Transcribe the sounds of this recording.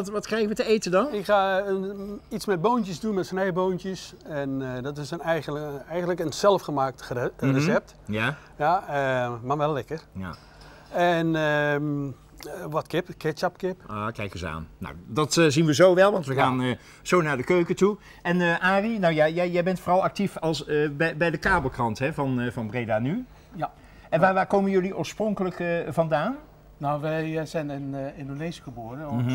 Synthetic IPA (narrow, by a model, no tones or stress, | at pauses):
tʋɑtkrɛjɣəʋətəejtədɑnɪkxaːəitsmɛd̚boːntjəzdunmɛtsənɛjboːntjəsɛndɔtɪsənɛjəɛjɣəndləkənsɛlˠfχəmaːk̚trəsɛp̚t | ja | jaəmaʋɛlˠːɪkərja̰ | ɛnə | ʋɔtkɪpkɪtt͡ʃɑpkɪpoːkɛjkəzəa̰ːnːo̰wdɑtzinʋəzowʋɛlˠʋɑntʋəɣaːnə | z̥ownaːɹdəkøɥkətu | ɛnəʔaːrinawjajɛjɛjbɛntfoːrɑlˠɑk̚tifɑlˠsəbɛbɛjdəkaːbəlˠkrɑntɦɛvɑnvɑnbrejdaːny | ɛnʋaːʋaːkowmənjɵliʔoːɹsproŋkələkvɑndaːn | nowʋɛjzɛnɪnɪndonesəɣəboːrə